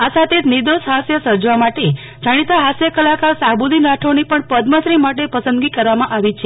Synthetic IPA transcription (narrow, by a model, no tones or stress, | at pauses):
asat̪ʰed͡ʒ̪nid̪oʃɦasjəsəɾd͡ʒʋamaʈe | d͡ʒaɽ̃it̪aɦasjəkəlakasabulinaʈʰonipəɳpəd̪məsɾimaʈepəsənd̪ɡikəɾʋamãʔaʋit͡ʃʰe